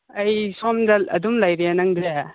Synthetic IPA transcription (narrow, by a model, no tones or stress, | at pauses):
ɐjsɔmdɐɐ̰dumlajɾijanɐŋbea